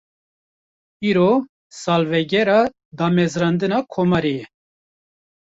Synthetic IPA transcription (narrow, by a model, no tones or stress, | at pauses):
iːɾo | sɑːlvɛɡɛɾɑ | d̪ɑːmɛzɾɑnd̪ɨnɑːkʰomɑɾejɛ